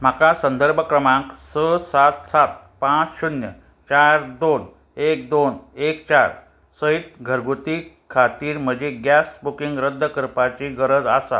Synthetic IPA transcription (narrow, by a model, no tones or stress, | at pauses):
m̤akasənd̪əɾbʱəkɾəmãksəsat̪sat̪̚ | pãt͡sɕunjə̰ | t͡ɕaɾd̪on | ek̚d̪onekt͡ɕaɾ | səit̪ɡʱəɾɡʱut̪i | kʰat̪iːɾm̤əd͡ʑeɡjasbukiŋɡɾəd̪ʱːəkəɾpat͡ɕiɡəɾəd͡zasa̰